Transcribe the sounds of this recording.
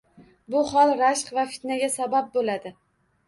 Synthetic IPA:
bʊhɒlˠɾaʃqvafi̥t̪naɡʲasabap̚bolad̪ɪ

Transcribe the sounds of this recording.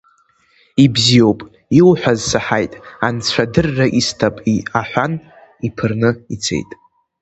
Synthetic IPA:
ibzijo̞wpʼ | ilħʷᶣazsaħajtʼant͡sʷʰadɨrːaʔistʰapʼiaħʷan | ipʰɨrnɨit͡sʰe̞̰jtʼ

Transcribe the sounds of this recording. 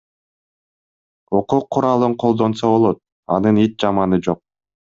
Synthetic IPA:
oquːqʰːuɾɑlˠɯɴqʰo̞lˠd̪o̞nsoβo̞lˠo̞t̪̚ | ɑ̰nɯnit̪̚d͡ʒɑmɑnɯd͡ʒo̞q̚

